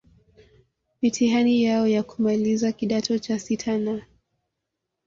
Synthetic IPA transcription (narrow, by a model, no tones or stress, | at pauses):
mitʰiɦanijaɔjakumalizakiɗatʰɔt͡ʃasitʰana